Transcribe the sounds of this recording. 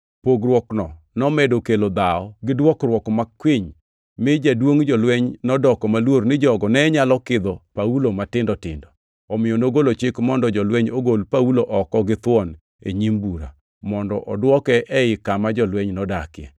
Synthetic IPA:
poɡrwɔknɔ | nɔmɛdokelod̪aɔɡɪdwɔkrwɔkmakwiɲ | mɪd͡ʒadwoŋd͡ʒɔlwɛɲnɔdɔkɔmalwornɪd͡ʒɔɡɔnɛɲalɔkɪd̪ɔpaulomatɪndɔtɪ̰ndɔ | ɔmɪjonoɡolot͡ʃɪkmɔndɔd͡ʒɔlwɛɲoɡolpauloʔɔkɔɡɪt̪wɔn | ḛɲimbuɾa̰ | mɔndɔʔɔdwɔkɛʔɛɪkamad͡ʒɔlwɛɲnɔdakjɛ̰

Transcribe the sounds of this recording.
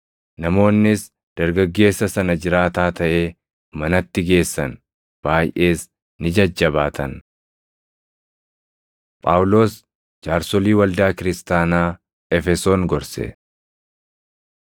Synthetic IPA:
nɐmo̞ːnːɪs | d̪̥ɐɾɡɐɡːe̞ːsːɐsɐnɐd͡ʒɪɾaːt̪aːt̪ɐʔe̞ː | mɐnɐt̪ːɪɡe̞ːsːɐn | b̥aːjʔe̞ːs | nɪd͡ʒɐd͡ʒːɐbaːt̪ʰɐn | pʼaːwlo̞ːs | d͡ʒaːɾsɔliːwɐld̪aːkɪɾɪst̪aːnaː | ɛfɛso̞ːŋɡɔɾsɛ̰

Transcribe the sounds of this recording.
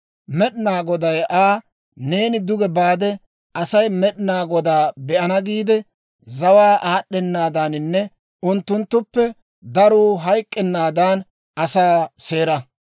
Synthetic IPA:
mɛɗɪnaːɡɔd̪ɐjʔaː | ne̞ːnɪd̪ʊɡɛbaːd̪ɛ | ɐsɐjmɛɗɪnaːɡɔd̪aːbɛʔɐnɐɡiːd̪ɛ | zɐwaːʔaːɗːɛnːaːd̪aːnɪnːɛ | ʔʊnt̪ːʊnt̪ːʊpːɛ | d̪ɐɾuːɦɐjkʼːɛnːaːd̪aːn | ɐsaːse̞ːɾɐ

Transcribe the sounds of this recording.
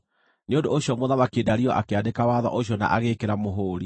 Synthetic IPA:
neondoːɕjɔmoðaβakeːdaɾiɔʔakeadekawaðɔ̰ʔoɕ̬jɔna̰ʔaɣekeɾamoɦoːɾi

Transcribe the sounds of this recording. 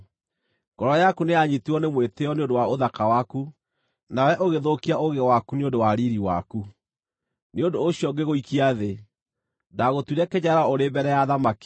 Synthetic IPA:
ɡ̥ɔɾɔjakunejaɲituɔnemweteɔneondowaoðakawaku | nawɛʔoɣeðokiaoɣewakuneondowaɾiɾiwa̰ku | neondoːɕiɔŋɡeɣoikiaðe | daɣotuɾɛkeɲaɾaoɾebɛɾɛjaðamaki̥

